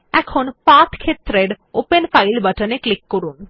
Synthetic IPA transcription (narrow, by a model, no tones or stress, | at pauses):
ɛkʰonpat̪ʰkʰet̪ːɾeɾ | openfajlbəʈəneklikːoɾun